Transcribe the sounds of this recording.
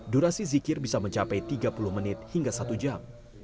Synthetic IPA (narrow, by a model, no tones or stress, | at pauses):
duɾasizikɪrbisaməɲt͡ʃapajt̪iɡapuluhmənɪt̪̚hiŋɡasat̪ud͡ʒam